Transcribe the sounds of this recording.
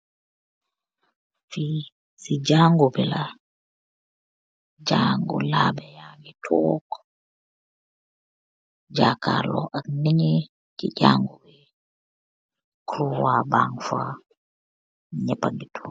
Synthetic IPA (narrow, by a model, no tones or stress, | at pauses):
fi | sid͡ʒaːŋɡubɛla | d͡ʒaŋɡṵlabɛjaŋɡitʰɔk | d͡ʒakalɔ̰ʔakniɲi | kid͡ʒaːŋɡubɛ | kɾuwabaŋfa | ɲɛpaŋɡitʰɔ